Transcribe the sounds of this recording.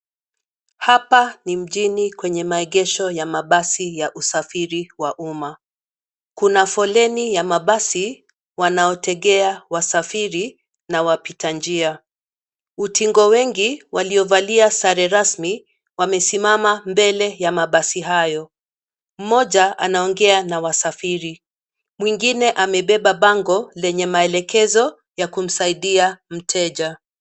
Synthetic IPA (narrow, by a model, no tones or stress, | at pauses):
hapanim̩ʄinikwɛɲɛmaɛɠɛʃɔjamaɓasijaʔusafiɾiwaʔuma | kunafɔlɛnijamaɓasi | wanaɔtʰɛɠɛawasafiɾi | nawapitand͡ʒia | utiŋɡɔwɛŋɡiwaliɔvaliasaɾɛɾasmi | wamɛsimamambɛlɛjamaɓasiɦajɔ | m̩mɔʄaa̰naɔŋɡɛanawasafiɾi | mwiŋɡinɛʔamɛɓɛɓaɓaŋɡɔlɛɲɛmaɛlɛkɛzɔ | jakum̩saiɗiam̩tʰɛʄa